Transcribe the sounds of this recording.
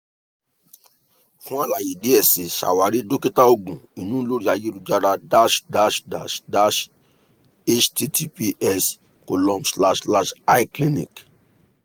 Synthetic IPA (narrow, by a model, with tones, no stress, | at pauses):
fũ˦a˦la˨ji˨de˨˦ɛ˨sĩ˨ʃa̰˨wa˨˦ɾi˦do˦ki˦ta˦o˧ɡũ˨i˨nũ˦lo˦ɾi˦a˨je˦ɾu˧d͡ʒa˧ɾa˧da˦ʃda˦ʃda̰˨ʃda˦ʃ | e˦t͡ʃti˦tʰi˦pi˦ʔɛ˦s | ko˨lɔ̃˦mbsla˧ʃla˦ʃa˦i˦kli˦nḭ̃˨k